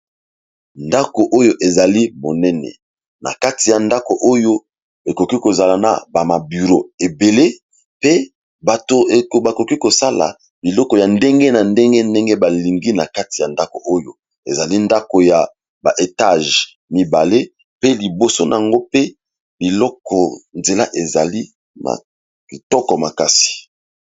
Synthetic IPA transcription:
nda˦ko˨ʔo˦jo˦ʔe˨za˨li˦mo˨nɛ˦nɛ̰˨ | na̰˨ka˦ti˨ja˨nda˦ko˨ʔo˦jo˦ | e˨ko˨ki˦ko˨za˨la˨na̰˨ba˨ma˨by˨ʁo˦e˨be˨le˦ | pe˦ | ba˨to˨ba˨ko˨ki˦ko˨sa˦la̰˨ | bi˨lɔ˦kɔ˨ja˨ndɛ˦ŋɡe˦na˨ndɛ˦ŋɡe˦nde˦ŋɡe˦ba˨li˨ŋɡi˦na˨ka˦ti˨ja˨nda˦ko˨ʔo˦jo˦ | ḛ˨za˨li˦nda˦ko˨ja˨ | ba˨ʔe˨ta˦ʒ | mi˨ba˨le˦ | pe˦li˨bo˨so˦na̰˨a˨ŋɡo˦pe˦ | bi˨lɔ˦kɔ˨nze˨la̰˦ʔe˨za̰˨li˦ | ma̰˨ | i˨tɔ˦kɔ˨ma˨ka˦si̥˨

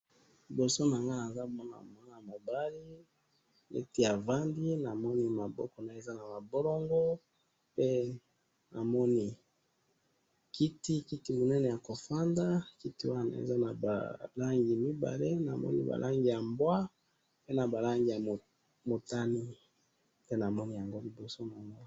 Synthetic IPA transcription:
i˨bo˨so˦na˨ŋɡa˦na˨za˦˨mɔ˦na̰˨ma˦na˨ma˨ba˦li˦ | nḛ˦ti˦a˨va˦ndi˦na˨mɔ˦ni˦ma˨bɔ̰˦kɔ˨na˨e˨za˦na˨ma˨bo˦lo˦ŋɡo˦ | pe˦ | na̰˨mɔ˦ni˦ | ki˦ti˦ki˦ti˦mo˨nɛ˦nɛ˨ja˨ko˨fa˦nda˦ki˦ti˦wa˦na̰˨ḛ˨za˦na˨ba̰˨la˦ŋɡi˨mi˦ba̰˨le˦na̰˨mɔ̰˦nḭ˦ba̰˨lʔa˦ŋɡi˨ja˨mbwa˦ | pe˦na˨ba˨la˦ŋɡi˨ja˨ | mo˨ta˦ni˦ | pe˦na˨mɔ˦ni˦ja˨ŋɡo˦li˨bo˨so˦na˨ŋa˦

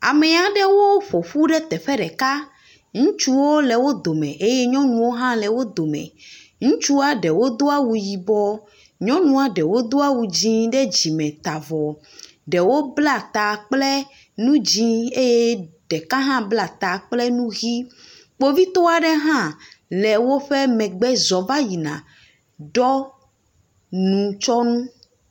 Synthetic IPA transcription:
a̰˨mɛ˨a˨ɖɛ˦wo˦ɸo˨ɸu˦ɖɛ˦t̪ɛ˨ɸɛ˦ɖɛ˨ka˦ | ŋũ˦t͡ʃu˦wo˦lɛ˨wo˦d̪o˨mɛ̃˨ʔe˦jɛ˦ɲɔ̃˦nũ˨wo˦ɦã˦lɛ˨wo˦d̪o˨mɛ̰̃˨ | ŋũ˦t͡ʃu˦a˦ɖɛ˨wo˦d̪o˦a˦wu˨ji˨bɔ˦ | ɲɔ̃˦nũ˦a˨ɖɛ˨wo˦d̪o˦a˦wu˨d͡ʑĩ˦ɖɛ˦d͡ʑi˨mɛ̃˨t̪a˨vɔ˨ | ɖɛ˨wo˦bla˦t̪a˨k͡plɛ˦ | nũ˦d͡ʑĩ˦e˦je˦ɖɛ˨kã˦ɦã˦bla˦˨t̪a˨k͡plɛ˦nũ˦ɣi˦ | k͡po˦vi˦t̪ɔ˦a˨ɖe˦ɦã˦lɛ˨wo˦ɸe˦mɛ̃˨ɡ͡bɛ˦zɔ˨va˦ji˨nã̰˨ | ɖɔ˦ | nũ˨t͡ʃɔ˦nũ˦

